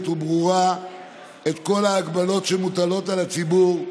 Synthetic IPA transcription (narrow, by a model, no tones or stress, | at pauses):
t̪ubʁuʁa | e̞t̪ko̞laːɡbalo̞tʃemut̪alo̞t̪alat͡sibuʁ